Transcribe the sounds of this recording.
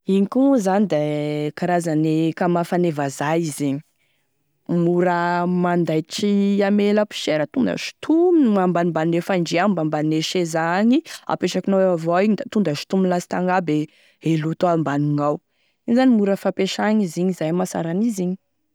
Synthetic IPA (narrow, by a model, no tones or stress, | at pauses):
iɲikuzanid̪ekaɾazanekamafanevazaiziɲi̥ | muɾəmand̪ajʈ͡ʂiameləpi̥ʃeɾət̪und̪ə̰ʃi̥t̪ʰuminmambanimbaninefaɳɖ͡ʐiambambanineʃezaɲia̰peʃakinaweavoiɲid̪at̪und̪əʃi̥t̪uminlasi̥t̪aŋɡabe | elut̪oambaniŋaw | inzanimuɾəfapeʃaɲiziɲizajmasa̰ɾaniziɲi̥